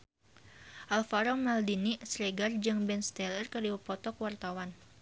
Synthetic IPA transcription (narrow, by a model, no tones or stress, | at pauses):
ʔalfaɾɔmaldinisɾɛɡard͡ʒɨŋbɛnst̪ɛlərkərdiwəpɔt̪ɔkwart̪awan